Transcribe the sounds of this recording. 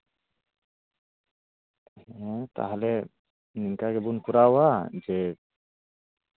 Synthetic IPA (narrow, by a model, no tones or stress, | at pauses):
ɛ̃t̪a̰ɦalɛ | niŋkaɡɛbunkuɾawad͡ʒɛ